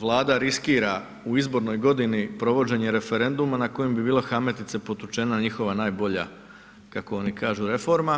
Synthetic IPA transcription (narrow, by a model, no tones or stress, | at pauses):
ʋlˠaːd̪aɾiskiːɾa | uizbo̞ɾno̞jɡo̞d̪inipɾo̞ʋo̞d͡ʑe̞ɲe̞ɾe̞fe̞ɾe̞nd̪umanako̞jembibiːloxame̞t̪it̪se̞po̞t̪ut͡ʃe̞naɲixo̞ʋanaːjbo̞ʎa̰ | kako̞o̞nikaːʒuɾe̞fo̞ɾma